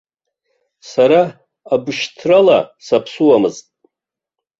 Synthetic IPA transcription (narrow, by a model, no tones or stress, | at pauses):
saɾaː | bɨʃtʰrala̰sapʰsuwamɨztʼ